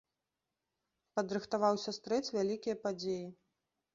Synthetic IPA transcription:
pɐd̪ɾɨxt̪avawsʲɐst̪ɾɛt͡sʲvʲalʲikʲijɐpad͡zʲeji

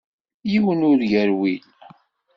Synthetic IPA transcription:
jiwənʊɾʝəɾwil

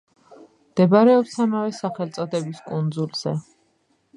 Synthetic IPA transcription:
md̪̥ɛbaɾɛɔpsamavɛsaχɛlt̪sʼɔd̪ɛbiskʼund̪zulz̥ɛ

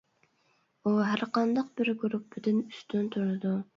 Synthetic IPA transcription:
uɦæɾqɑnd̪ɑqbɪɾɡyɾup̚bɪd̪ɪnyst̪ʰynt̪ʰuɾɨd̪u

